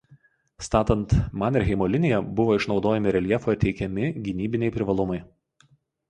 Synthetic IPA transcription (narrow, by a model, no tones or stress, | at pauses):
st̪ɑːt̪ɐnt̪mɑnɪɾɦʲɛɪmoːlʲɪnʲɪjɛbʊʋoːɪʃnɒʊd̪oːjɛmʲɪɾʲɛlʲiɛfoːt̪ʲɛɪkʲɛmʲɪɡʲɪnʲiːbʲɪnʲɛɪpʲɾʲɪʋɐlˠʊmɐɪ